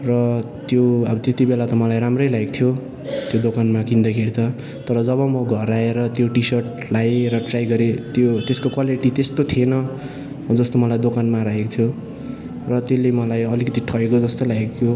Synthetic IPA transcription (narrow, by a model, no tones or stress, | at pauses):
rʌ | t̪joʌbʌt̪jet̪ibelat̪ʌmʌlajɾamrʌjlaek̚t̪ʰijo | t̪jod̪okanmakind̪ʌkʰeɾit͡sʰʌ | t̪ʌɾʌd͡zʌβʌmʌɡʱʌɾaeɾʌt̪joʈisʌrʈ̚ | lajɾʌʈrajɡʌɾet̪jot̪eskokwaliʈit̪est̪ot̪ʰienʌ | d͡zʌst̪omʌlajd̪okanmaɾajekot̪ʰjo | rʌt̪elemʌlajʌlikʌt̪iʈʰʌekod͡zʌst̪olaek̚t̪ʰjo